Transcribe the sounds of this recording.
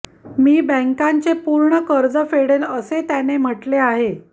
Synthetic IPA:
miːbə̃ŋkaɲt͡sepuɾɳəkəɾd͡zəfeɽeləset̪janem̤əʈleaɦe

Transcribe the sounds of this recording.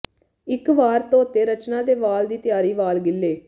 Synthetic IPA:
ɪkʋaːɾt̪õːʊt̪ːeːɾət͡ʃnãːd̪eːʋaːld̪iːt̪ɪjaːɾiːʋaːlɡɪlːeː

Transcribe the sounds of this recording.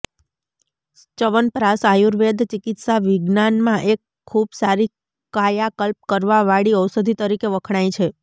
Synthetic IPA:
t͡ʃəʋənpɾasajuɾʋed̪ʱt͡ʃɪkɪt̪saʋɪɡnanmãʔekʰːubsaɾi | kajakəlp̚kəɾʋaʋaɽiəwsəd̪ʱit̪əɾikeʋəkʰɽ̃aĩt͡ʃʰe

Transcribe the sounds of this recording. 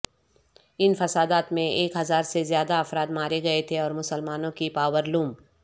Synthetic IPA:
ɪnfɐsaːd̪aːt̪mẽʔeːkɦɐzaːɾsezjaːd̪aɐfɾaːd̪maːɾeɡɐet̪ʰeɔːɾmʊsəlmaːnõkipaːwəɾluːm

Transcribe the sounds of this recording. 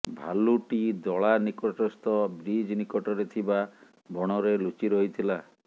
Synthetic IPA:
bʱa̰luʈid̪ɔɭanikɔʈɔst̪ɔbɾid͡ʒnikɔʈɔɾet̪ʰiba | bɔɽ̃ɔɾelut͡ʃiɾɔɦit̪ʰila

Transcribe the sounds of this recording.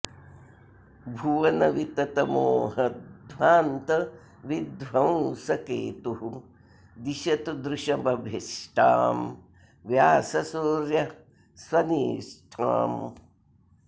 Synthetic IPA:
bʱuʋɐnɐʋit̪ɐt̪ɐmoːɦɐd̪ʱʋaːnt̪ɐ | ʋid̪ʋɐwsɐkeːt̪uɦu | d̪iʃɐt̪ud̪ɾuʃɐbʱɐbʱiʂʈʰa̰ːm | ʋjaːsɐsoːɾjɐ | sʋɐniːʂʈʰa̰ːm

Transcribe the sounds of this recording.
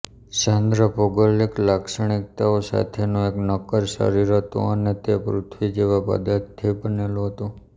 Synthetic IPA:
ʃand̪ɾəpoɡəleklaksəɳ̃ɪk̚t̪aosa̰t̪ʰenõeknəkəɾʃə̰ɾiɾɦət̪o̰ənet̪epɾʊt̪ʰʋid͡ʒeʋapə̰d̪at̪ʰːibənelũɦət̪ũ

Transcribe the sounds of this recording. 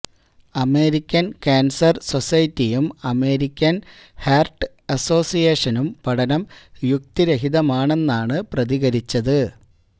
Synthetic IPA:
ɐme̞ːɾikʲːɐnkaːnsɐrso̞sɐjtːijumɐme̞ːɾikʲːɐn | herʈɨ | ɐso̞ːsijeːʂɐnumpɐɽɐnɐmjuk̚t̪iɾeɦiðɐmaːɳe̞nːaːɳɨprɐðiɣɐɾit͡ɕːɐðɨ

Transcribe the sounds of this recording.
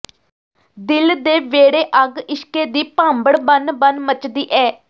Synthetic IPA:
d̪ɪld̪eːʋeːɽeːʔəɡɪʃkeːd̪iːpãːmbəɽbənbənmət͡ʃd̪iːʔɛː

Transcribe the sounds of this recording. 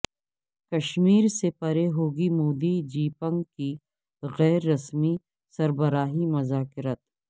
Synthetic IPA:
kɐʃmiːɾsepɐɾeɦoːɡimoːd̪id͡ʒiːpə̃ŋɡki | ɣɛːɾːɐsmi | sɐɾbɐɾaːɦimɐzaːkɪɾət̪̚

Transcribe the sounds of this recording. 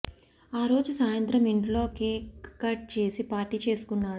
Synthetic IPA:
aːɾo̞ːd͡ʒusaːjɐnt̪ɾɐmiɳʈlo̞ːkeːkɐʈ̚t͡ʃe̞ːsipaːʈit͡ʃe̞ːsu̥kunːaːɽu

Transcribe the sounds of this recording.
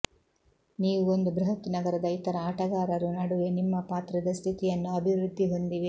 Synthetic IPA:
niːʋuo̞nd̪ubɾuɦɐt̪ːunɐɡɐɾɐd̪ɐit̪ɐɾɐaːʈɐɡaːɾɐɾunɐɽuʋenimːɐpaːt̪ɾɐd̪ɐst̪ʰit̪ijɐnːuɐbʱiʋɾud̪ʱːiɦo̞nd̪iʋi

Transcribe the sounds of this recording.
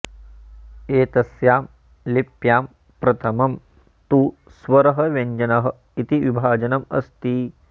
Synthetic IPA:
eːt̪ɐsjaːm | lipjaːm | pɾɐt̪ʰɐmɐm | t̪u | sʋɐɾɐɦɐ̆ʋɐɲd͡ʒɐnɐɦɐ̆ | it̪iʋibʱaːd͡ʒɐnɐmɐ̰st̪i

